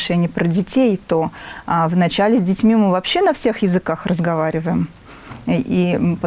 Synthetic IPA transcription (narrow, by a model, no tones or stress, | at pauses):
ʂɛnʲɪjəpɾədʲɪtʲejt̪o̞avnɐt͡ɕælʲɪzʲdʲɪtʲmʲimɨvɐpɕːe̞nɐfsʲe̞xjɪzɨkaxrəzɡɐvaɾʲɪvəjɪm | ipə